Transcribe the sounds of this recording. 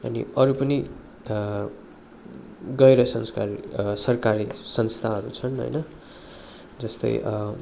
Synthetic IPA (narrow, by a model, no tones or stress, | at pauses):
ʌ̰nḭʌɾupʌni | ɡʌeɾʌsʌnskarisʌrkaɾisʌnst̪ʰaɦʌɾṵt͡sʰʌnɦʌ̰jnʌ | d͡zʌst̪ʌ̰j